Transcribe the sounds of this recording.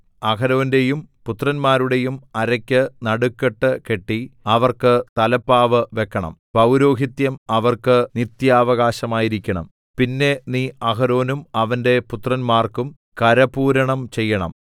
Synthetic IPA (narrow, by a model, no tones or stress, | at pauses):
ɐkɐɾo̞ːnde̞jumput̪rɐnmaːɾuɽe̞jumɐɾɐkʲːɨnɐɽukːeʈːɨke̞ʈːiɐʋɐrkɨt̪ɐlɐpːaːʋɨʋe̞kːɐɳɐ̰mpɐwɾo̞ːɦit̪jɐmɐʋɐrkɨnit̪jaːʋɐɣaːɕɐmaːjiɾikʲːɐɳɐ̰m | pinːe̞niːɐkɐɾo̞ːnumɐʋɐnde̞put̪rɐnmaːrkum | kɐɾɐpuːɾɐɳɐmt͡ɕe̞jːɐɳɐ̰m